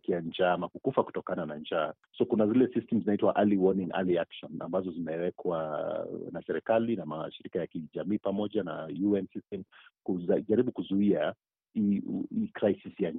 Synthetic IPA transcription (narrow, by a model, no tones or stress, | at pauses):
kiand͡ʒamakukufaku̥tɔkananaɲd͡ʒa | sɔkunazilɛsistɛm̩zinaitwa̰ʔaliwɔnĩŋa̰liakʃɔna̰mbazɔzimɛwɛkʰwa | nasɛɾɛkalinama̰ʃiɾikajakiʄamiːpamɔʄanajuɛnsistɛmkuʄaɾiɓukuzuia | iikɾajsisija